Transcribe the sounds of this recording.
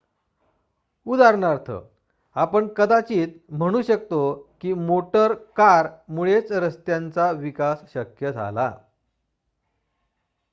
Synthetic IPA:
ud̪aɾɳaɾt̪ʰə̰ | apəɳkəd̪at͡ɕiːt̪m̤əɽ̃uːɕək̚t̪okiːmoʈəɾkaɾmuɭet͡sɾəst̪jant͡saʋikasɕəkjəd͡zʱa̰la̰

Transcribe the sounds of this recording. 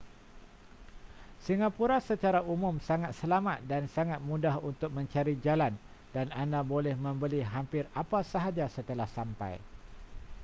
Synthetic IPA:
siŋapuɾasət͡ʃaɾaʔumʊmsaŋat̪̚səlamat̪̚dansaŋat̪̚mũdaɦunt̪ʊk̚mə̃ɲt͡ʃaɾid͡ʒalan | danandabolɛhmə̃mbəliɦampɪrapasaɦad͡ʒasət̪əlahsampa̰j

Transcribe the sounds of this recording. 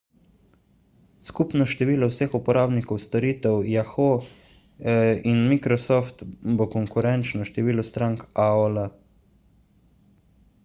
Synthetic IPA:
skupnɔʃt̪ɛʋiːlɔwsexupɔɾaːbnikɔwst̪ɔɾiːt̪ɛwjaxo | inmikɾɔsɔft̪bɔkɔŋkuɾɛnt͡ʃnɔʃt̪ɛʋiːlɔst̪ɾaːŋkaola

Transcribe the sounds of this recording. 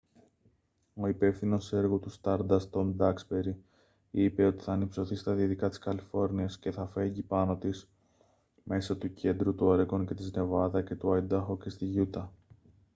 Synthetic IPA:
o̞ipe̞fθino̞se̞ɾɣot̪ust̪ɐɾd̪ɐst̪o̞nd̪ɐkspe̞ɾi | ipe̞o̞t̪i̥θɐːnipso̞θist̪ɐðiɐðikɐt̪i̥skɐlifo̞ɾniɐsce̞θɐfe̞ɲɟipɐno̞t̪is | me̞sɐt̪uce̞nd̪ɾut̪uoɾeko̞nce̞t̪izne̞vɐðɐce̞t̪uɐid̪ɐxoce̞st̪iʝut̪ɐ

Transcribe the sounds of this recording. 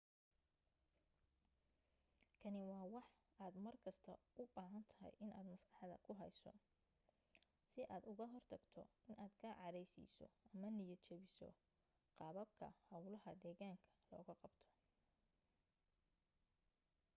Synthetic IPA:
kʰɐnɪwɑːwɑħ | aːd̪mɐrkʰɐst̪ʰɐʔʊbaːɦɐnt̪ʰɐɦɛ̰jʔɪna̰ːd̪mɐsɡɑħɑðɐ̰kʰʊɦɛjsɔ̰ | sɪʔaːd̪ʊɣɐɦɔrt̪ʰɐɡt̪ʰɔ̰ɪnaːd̪kʰaːʕɑɾɛjsḭːsɔ̰ʔɐmɐnɪjɐt͡ʃʰɛβɪsɔ̰ | qɑːβɐb̚kʰɐ̰hɐwlɐɦɐd̪ɛːɣaːŋkʰɐ̥lɔ̰ːɣɐqɑbt̪ʰɔ̥

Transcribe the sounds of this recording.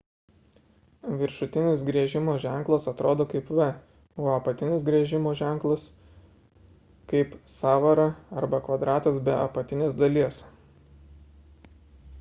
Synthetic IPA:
ʋʲɪɾʃʊt̪ʲɪnʲɪs̬ɡɾʲiɛʒʲɪmoːʒʲæˑŋˑklˠɐsɐt̪ɾʔoːd̪oːkɐɪpʋʲɛ | oːɐpɐt̪ʲɪnʲɪsɡɾʲiɛʒʲɪmoːʒʲæˑŋˑklˠɐs | kɐɪpsɑːʋɐɾɐɐɾbɐkʋɐd̪ɾɑːt̪ɐsbʲɛɐ̰pɐt̪ʲɪnʲeːsd̪ɐlʲiɛs

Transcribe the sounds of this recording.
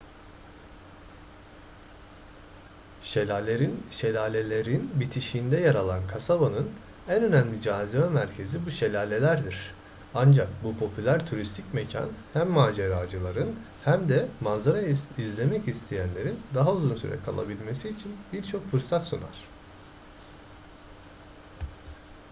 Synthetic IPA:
ʃelʲeɾinʃe̞lʲaːlʲe̞lʲeɾinbit̪ʰiʃiːnd̪ɛjaɾalˠankʰasabanɯn | ænø̞næmlʲid͡ʒaːzimɛmæɾcʰe̞zibuʃe̞lʲaːlʲe̞lʲæɾd̪iɾ̥ | and͡ʒak̚bupʰo̞pʰylʲæɾt̪ʰuɾist̪ʰicmecʰa̰nhæmːaːd͡ʒeɾaːd͡ʒɯlˠaɾɯn | hæmd̪ɛmanzaɾajizlʲe̞mɛcist̪ʰejænlʲe̞ɾind̪aɦauzunsy̰ɾɛ̰kʰa̰lˠa̰bilʲme̞siːt͡ʃʰinbiɾt͡ʃʰo̞kfɯɾsat̪suna̰ɾ̥

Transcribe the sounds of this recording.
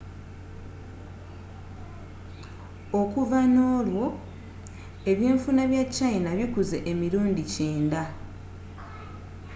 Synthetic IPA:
okuvano̞ːlwo̞ | e̞βje̞ːɱfunaβjat͡ʃːajinaβikuze̞ʔemiɾuːndiceːnda

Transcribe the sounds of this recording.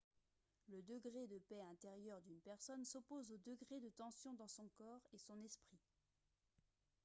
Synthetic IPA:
ləd̪əɡʁed̪əpɛɛ̃t̪eʁjœʁd̪ynpɛʁsɔnsɔpozod̪əɡʁed̪ət̪ɑ̃sjɔ̃d̪ɑ̃sɔ̃kɔːʁesɔ̃nɛspχi

